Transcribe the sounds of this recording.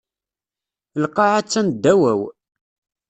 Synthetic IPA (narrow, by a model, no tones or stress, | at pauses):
lqːɑʕat͡sːænd̪ːæwæw